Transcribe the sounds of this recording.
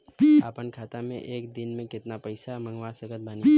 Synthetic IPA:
pəpənkʰat̪amḛ̃ʔekd̪inmẽkɪt̪napəɪsaməŋɡwasəkət̪̚bani

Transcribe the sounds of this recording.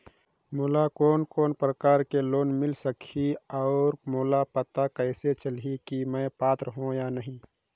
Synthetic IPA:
muːlakoːnkoːnpɾəkaːɾkeloːnmɪlsəkʰiɔːɾmoːlapət̪akɛɪset͡ʃəlɦikimɛ̃ːpaːt̪ɾəɦõjanɐɦĩː

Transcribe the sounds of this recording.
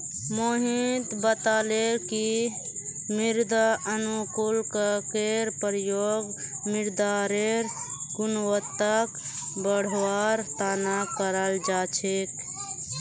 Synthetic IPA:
moɦit̪bət̪aleki | miɾd̪ʱəənukulkəkeɾpəɾjoɡmiɾd̪aɾeɾɡunwət̪ːəkbəɽ̤waɾt̪anakəɾəld͡ʒat͡ʃʰek

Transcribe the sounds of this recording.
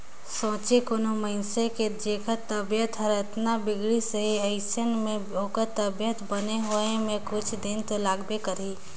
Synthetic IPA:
sõːt͡ʃekonoməɪnseked͡ʒeːkət̪əbjət̪ɦəɾət̪nabɪɡɽisəɦiɐɪsənmẽoːkət̪ːəbjət̪bəneɦoemẽkʊt͡ʃʰd̪ɪnt̪olaːɡbekəɾi

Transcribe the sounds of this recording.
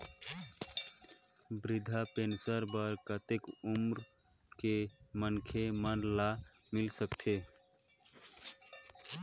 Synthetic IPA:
bɾid̪ʱapensəɾbəɾkət̪ekumɾ | kemənkʰemənlamilsəkt̪ʰe

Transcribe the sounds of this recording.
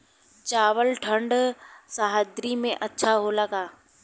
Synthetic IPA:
t͡ɕaːʋəlʈʰə̃ɳɖsaːɦad̪ɾimẽʔɐtːʃʰaɦoːlaɡaː

